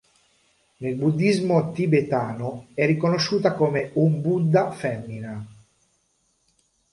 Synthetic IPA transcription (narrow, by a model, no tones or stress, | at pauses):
nelbud̪ːizmot̪ibet̪aːnoɛrːikonoʃːuːt̪akomeumbud̪ːafɛmːina